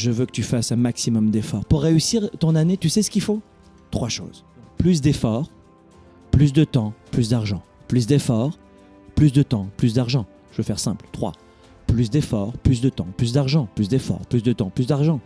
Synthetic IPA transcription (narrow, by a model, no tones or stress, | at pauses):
ʒəvøkə̥t̪yfasɛ̃maksimɔmd̪efɔʁpuʁːeysiʁt̪ɔ̃nanet̪ysɛsə̥kʲifo | t̪χwaʃo̰ːz | kplys̬d̪efɔːʁ | plys̬d̪ət̪ɑ̃plys̬d̪aʁʒɑ̃plys̬d̪efɔːʁ | plys̬d̪ət̪ɑ̃plysd̪aʁʒɑ̃ | ʒəvøfɛʁsɛ̃plt̪χwa̰ | plys̬d̪efɔʁplys̬d̪ət̪ɑ̃plys̬d̪aʁʒɑ̃plysd̪efɔ̰ːʁplysd̪ət̪ɑ̃plysd̪aʁʒɑ̃